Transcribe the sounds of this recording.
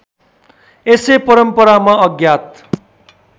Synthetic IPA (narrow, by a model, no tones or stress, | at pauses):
esepʌɾʌmpʌɾamaʌɡjat̪̚